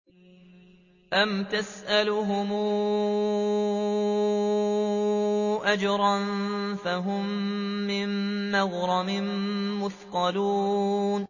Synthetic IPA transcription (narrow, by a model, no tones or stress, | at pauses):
ʔamt̪asʔalʊɦʊmuː | ʔad͡ʒɾˤɑnfaɦʊmː | ɪnːɑɣɾˤɑmɪnːʊθqɑluːn